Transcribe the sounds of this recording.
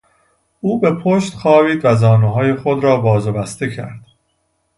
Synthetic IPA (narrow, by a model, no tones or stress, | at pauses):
uːbe̞pʰoʃt̪xɒːviːd̪væzɒːnuːɦɒːje̞xod̪ɾɒːbɒːzobæst̪e̞cʰæ̰ɾd̪̥